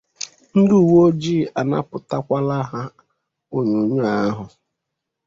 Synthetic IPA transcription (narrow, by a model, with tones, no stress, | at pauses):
n̩˦du˨wo˦d͡ʒiː˦˨a˨na̰˦pʊ˨ta˦kʷa˦la˦ɦa˦ | o˦ɲo˨ɲu˦a˦ɦʊ˨